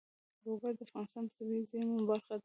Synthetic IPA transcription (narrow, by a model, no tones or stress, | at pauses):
loɡaɾd̪əafɣɑnɪst̪ɑnpə̥t̪abizimumbaɾxad̪a